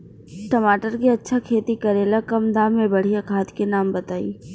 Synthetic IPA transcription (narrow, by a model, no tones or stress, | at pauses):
ʈɐmaːʈəɾkiɐtːʃʰakʰeːt̪ikɐɾeːlakɐmd̪aːmːẽbɐɽ̤ijakʰaːt̪kenaːmbɐt̪aːḭː